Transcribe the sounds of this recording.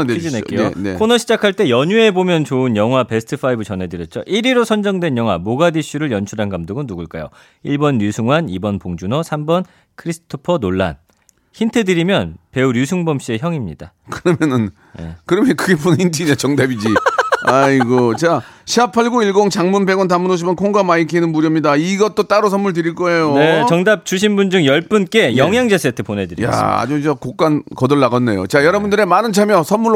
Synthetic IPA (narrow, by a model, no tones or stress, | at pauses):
ed͡ʑinek͈ejonekʰonʌɕʰid͡ʑakʰaɭt͈e̞jʌɲue̞bomjʌnt͡ɕoɯnjʌŋɦwape̞sʰɯ̥tʰɯpʰaibɯt͡ɕʌnɦe̞dɯɾjʌt̚t͡ɕ͈oʔiɾiɾosʰʌnd͡ʑʌŋdwe̞njʌŋɦwamoɡadiɕ͈ʰuɾɯɭjʌnt͡ɕʰuɾɦanɡamdoɡɯnːuɡɯɭk͈ajo̰ | iɭbʌnːjusʰuŋɦwanibʌnpoŋd͡ʑunʌsʰambʌn | kʰɯɾisʰɯ̥tʰopʰʌnoɭːa̰n | çintʰe̞dɯɾimjʌnpe̞uɾjusʰuŋbʌmɕ͈ie̞çjʌŋimɲida | kɯɾʌmjʌnɯn | nḛkɯɾʌmʌnkɯɡeponintʰiɲat͡ɕʌŋdabid͡ʑiaiɡot͡ɕaɕʰiapʰaɭɡoiɭɡoŋt͡ɕaŋmunbe̞ɡwʌnt̬amːunoɕ̬ʰimankʰoŋɡamaikʰinɯnmuɾjʌmɲidaiɡʌt͈ot͈aɾosʰʌnmːuɭt̬ɯɾiɭk͈ʌejone̞t͡ɕʌŋdap̚t͡ɕuɕ̬ʰimbund͡ʑɯŋjʌɭp͈ɯnk͈e̞jʌŋɦjaŋd͡ʑes͈ʰetʰɯponɦe̞dɯɾḭja̰a̰d͡ʑoʌkok͈ankʌdɯɭːaɡʌnːejo̰t͡ɕajʌɾʌbundɯɾe̞manɯnt͡ɕʰamjʌsʰʌnmuɭ